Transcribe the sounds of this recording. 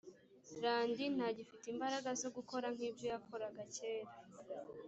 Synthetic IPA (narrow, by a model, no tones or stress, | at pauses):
ɾaːndin̥aɟifitimbaɾaɡazo̞ɡuko̞ɾaŋ̥hiːbɟo̞jakʰo̞ɾaɡace̞ːɾa